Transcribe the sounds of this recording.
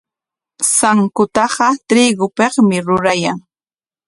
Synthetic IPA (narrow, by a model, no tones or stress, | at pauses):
saŋkʊt̪ɑɢɑt̪ɾiːɡʊpeχmɪɾʊɾajaŋ